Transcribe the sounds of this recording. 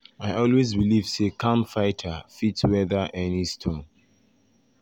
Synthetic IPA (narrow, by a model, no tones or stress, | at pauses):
aɪʔɔlwezbiliv̥sekʰãmfaɪtʰəfitwɛðəʔɛnistʰɔ̃n